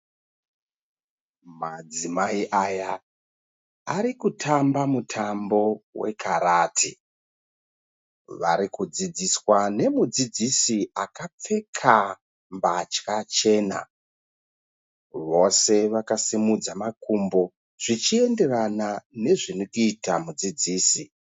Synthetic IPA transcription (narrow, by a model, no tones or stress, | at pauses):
mad͡zimaiʔaja | aɾikutʰambamutʰambo̞we̞̰kʰaɾaːtʰi | ʋa̰ɾikud͡zid͡ziswane̞mud͡zid͡zisiakap͡fe̞kʰa | mbat͡ʃkat͡ʃe̞ːna̰ | ʋo̞se̞ʋakasimud͡zamakumbo̞ | ʐ̥it͡ʃie̞nde̞ranane̞ʐinikuitamud͡zid͡ziːsi